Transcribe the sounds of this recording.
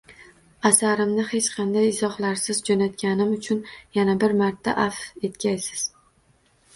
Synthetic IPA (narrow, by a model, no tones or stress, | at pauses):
asaɾɪmnɪhe̞t͡ʃqʰɑnd̪ajɪzɒhlaɾsɪzd͡ʒonat̪̚kʲanɪmʊt͡ʃʰʊnjanabɪɾmaɾt̪ʰːa̰ʔafe̞t̪kʲʰajsɪ̥z̥